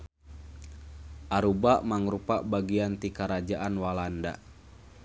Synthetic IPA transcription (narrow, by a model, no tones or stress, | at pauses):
ʔaɾubaʔmaŋɾupaʔbaɡiant̪ikaɾad͡ʒaʔanwalanda